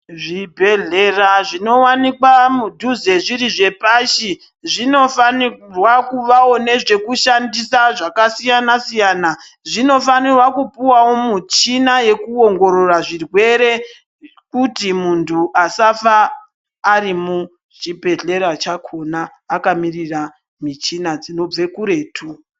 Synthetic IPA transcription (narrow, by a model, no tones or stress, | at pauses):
ʐibʱe̞ɮeraʐino̞wanikwamudʱuze̞ʐiɾiʐe̞paʃi | ʐino̞fanirwakuʋawo̞ne̞ʐe̞kuʃandisaʐakasijanasijaːna | ʐino̞fanirwakupiwawo̞mut͡ʃinaje̞kuoŋɡo̞ɾo̞raʐirwe̞ɾe̞ | kutimuntʰuʔasafaː | ɾimu | t͡ʃibʱe̞ɮe̞ɾat͡ʃakʰo̞naːkamirira | mit͡ʃinad͡zino̞b͡ve̞kuɾe̞ːtʰu